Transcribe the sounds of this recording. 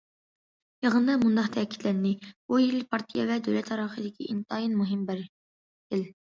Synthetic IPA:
jɑʁənd̪ɑmund̪ɑqt̪ʰɛkʲʰi̥t̪lɛnːɪbujilpʰɑɾt̪ʰijɛvɛd̪ø̰wlɛt̪ʰɑɾɑχəd̪ɪkʲʰiʔint̪ʰɑːjinmuɦɪmbɪɾ | d̪ɪl

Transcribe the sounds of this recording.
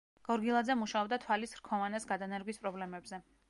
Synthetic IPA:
ɡ̥ɔɾɡilˠad̪zɛmuʃaɔb̚d̪at̪ʰwalisɾkʰɔvanɛsɡad̪anɛɾɡwispʼɾɔblɛmɛbzɛ

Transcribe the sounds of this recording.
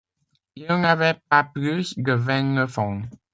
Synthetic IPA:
ilnavɛp̚aplyskəvɛ̃ŋəfɔ̃ŋ

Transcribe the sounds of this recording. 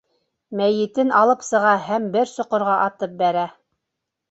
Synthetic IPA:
mæjɘ̆t̪ɘnʔɑlˠɤpsɤ̆ʁɑɦæmbɘɾsŏqŏɾʁɑʔɑt̪ɤp̚bæɾæ

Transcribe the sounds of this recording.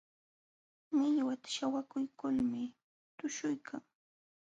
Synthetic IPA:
mɪʎwat̪ḁʃawakʊjkʊlmɪ | t̪ʊʃʊjkʰaŋ

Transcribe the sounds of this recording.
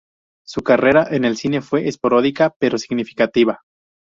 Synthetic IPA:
sukare̞ɾaʔe̞ne̞lsine̞fwe̞ʔespoɾo̞ðikape̞ɾo̞siɣnifi̥kat̪iβa

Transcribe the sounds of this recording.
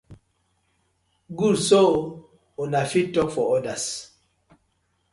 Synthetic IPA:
ɡulso | onafitːɔkfɔɔdas

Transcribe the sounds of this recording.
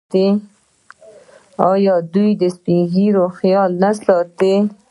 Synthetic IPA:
t̪e | ɑjɑd̪ujd̪əspiɡiɾoxjɑlnasɑt̪e

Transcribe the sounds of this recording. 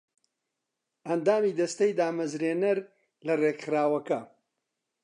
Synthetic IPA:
ɐnd̪aːmiːd̪ɐst̪ɐjd̪aːmɐzɾeːnɐɾ | lɐreɡχɾaːwɐkɐ

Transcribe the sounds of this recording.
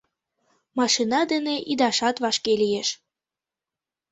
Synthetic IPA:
mɑʃinɑd̪eneʔid̪ɑʃɑt̪βɑʃkelijeʃ

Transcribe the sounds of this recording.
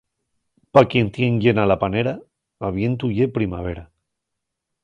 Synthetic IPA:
pakjent̪jeŋʎenalapaneɾa | aβ̞jent̪̬ujepɾima̰β̞eɾa

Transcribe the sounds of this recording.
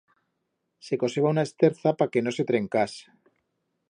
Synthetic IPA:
se̞ko̞se̞βaunaest̪eɾθapake̞no̞se̞t̪ɾe̞ŋkas

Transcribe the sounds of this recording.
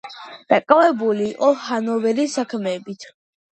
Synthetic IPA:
d̪̥akʼavɛbuliːqʼɔhanɔvɛɾisakʰmɛːbit̪ʰ

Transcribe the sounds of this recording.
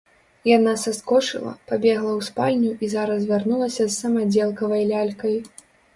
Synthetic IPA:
janasaskɔt͡ʂɨ̰lˠɐ̰pabʲɛɣlˠɐwspalʲnʲuʔizaɾɐsvʲarnulˠɐsʲɐzːɐmad͡zʲɛlˠkɐvɐjlʲalʲkɐj

